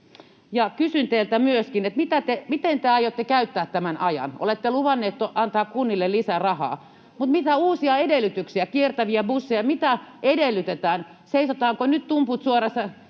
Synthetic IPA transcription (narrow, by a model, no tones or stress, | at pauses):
jɑkysynt̪eilt̪æmyøskinet̪mit̪æt̪emit̪ent̪eɑjot̪ːekæyt̪ːæːt̪t̪ːæmænɑjɑ̰no̰let̪ːeluʋɑnːeːt̪toʔɑnt̪ɑːkkunːilːellisærɑhɑ̰ː | mut̪mit̪æuːsiɑedelːyt̪yksiækiert̪æʋiæbusːejɑmit̪æedelːyt̪et̪æːn | seisot̪ɑːŋkonyt̪t̪umput̪suorɑsɑ